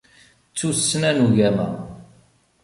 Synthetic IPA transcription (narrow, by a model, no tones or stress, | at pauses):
t͡sːusːnænuʝæmæ